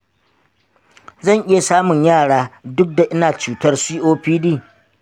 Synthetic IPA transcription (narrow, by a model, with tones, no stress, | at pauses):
zɐ˦˨ŋʔɪ˦ja˨saː˦mʊ˨ɲjaː˦˨ɽaː˦dʊ˦k̚da˨ʔɪ˦naː˨t͡ʃuː˦tɐ˦rsiː˦ʔoː˦ɸiː˦diː˦˨